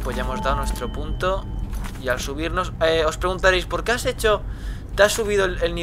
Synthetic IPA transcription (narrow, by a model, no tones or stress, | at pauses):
pwozʝaemo̞zðaðwnwe̞st̪ɾo̞punt̪oialsuβ̞iɾno̞seospɾe̞ɣunt̪aɾejspo̞ɾkease̞t͡ʃot̪easːuβ̞iðolelni